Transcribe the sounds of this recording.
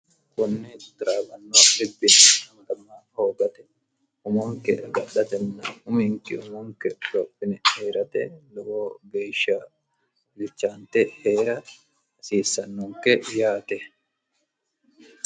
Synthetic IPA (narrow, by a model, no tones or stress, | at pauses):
kʊnːɪt̪ɪɾaːbɐnːoɪbːɪnɐmɐd̪ɐmːaːhoːɡɐt̪ɛ̥ | ʊmɔŋkɛʔɡɐɗɐt̪ɛnːaʊmɪŋkɪ̰ʊmʊŋkɛlɔpːɪnɛheːɾɐt̪ɛlɔʔoːɡejʃaː | bɪlt͡ʃːaːnt̪ɛheːɾɐ | siːsːɐnːuŋkɛjaːt̪ɛ